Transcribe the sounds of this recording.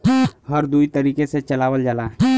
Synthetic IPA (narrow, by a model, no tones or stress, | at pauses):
həɾd̪uit̪əɾiːkeset͡ʃəlaːwəld͡ʒalaː